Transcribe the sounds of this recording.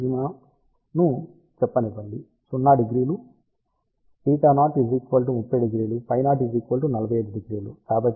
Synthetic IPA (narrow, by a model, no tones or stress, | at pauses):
ima | nuː | t͡ʃɛpːɐnipɐɳɖi | sunːaːɖiɡɾiːlu | piːkanaːʈiɡɾiːkʋɐːlʈ̬umupːɐjɖiɡɾiːlupɐjnaːʈ̬iɡɾiːkʋɐːlʈunɐlɐbʱɐjeːɖuɖiɡɾiːlukaːbɐt̪ː